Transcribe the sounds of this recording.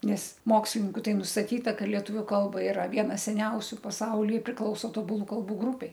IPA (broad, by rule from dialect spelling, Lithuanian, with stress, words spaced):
ˈnʲɛs ˈmoːksʲlʲɪnʲɪŋkʊ ˈtɐɪ nʊstɐˈtʲiːtɐ ˈkɐ lʲiɛˈtʊʋʲʊ ˈkɐlˠbɐ ɪˈrɐ ˈʋʲiɛnɐ sʲɛˈnʲɛʊsʲʊ pɐˈsɐʊlʲiː pʲrʲɪˈklˠɐʊsoː toːbʊˈlˠuː kɐlˠˈbuː ˈɡrʊpʲɛɪ